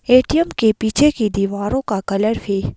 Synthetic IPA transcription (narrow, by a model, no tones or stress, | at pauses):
eːʈijəmkepiːt͡ʃʰekid̪iːʋaːɾõkakɐləɾfeː